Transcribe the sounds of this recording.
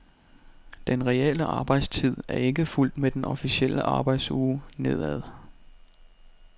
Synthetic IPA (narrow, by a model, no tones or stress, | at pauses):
d̥enʁɛel̰əʔɑ̈ːb̥ɑ̈ɪ̰d̥st͡sʰið̞̰ˠæɐe̝ɡ̥əful̰d̥med̥enɒ̽fisiel̰əʔɑ̈ːb̥ɑ̈ɪd̥suːne̝ð̞̰ˠæðˠ